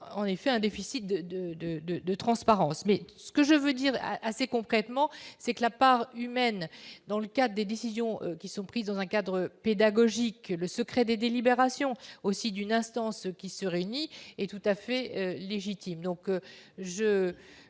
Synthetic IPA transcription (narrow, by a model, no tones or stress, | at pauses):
ɑ̃nefɛɛ̃d̪efisit̪̚d̪əd̪əd̪əd̪əd̪ət̪χɑ̃spaʁɑ̃smɛsə̥kəʒəvød̪iʁʔasekɔ̃kχɛt̪mɑ̃sɛkəlapaʁymɛnd̪ɑ̃ləkad̪ʁəd̪ed̪esizjɔ̃økʲisɔ̃pχizd̪ɑ̃zɛ̃kad̪ʁəped̪aɡɔʒikləsəkχɛd̪ed̪elibeʁasjɔ̃osid̪ynɛ̃st̪ɑ̃skʲisəʁeyniɛt̪ut̪afɛøleʒit̪imd̪ɔ̃kʒə